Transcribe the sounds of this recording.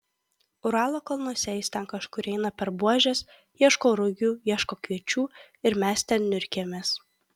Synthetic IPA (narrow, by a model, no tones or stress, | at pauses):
ʊɾɑːlˠoːkɐlˠnosʲɛɪst̪ʲɛnkɐʃkʊɾɛɪnɐpʲɛɾbuɔʒʲɛs | jiɛʃkoːɾʊɡʲuːjiɛʃkoːkʲʋʲiɛt͡ʃʲuː | ɪɾmʲæst̪ʲɛnnʲʊɾʲkʲemʲeːs